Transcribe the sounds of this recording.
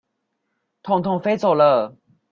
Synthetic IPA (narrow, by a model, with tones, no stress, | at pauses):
t̪ʰʊ˨˩ŋt̪ʰʊ˨˩ŋfe˥ɪt͡so˨˩ʊlə˧˨